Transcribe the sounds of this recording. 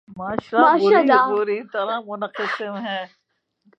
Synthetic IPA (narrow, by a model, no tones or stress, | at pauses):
maːʃlaaːʃuaːlːabuɾit̪ɐɾãmʊnəqɪsemɦɛ̃ː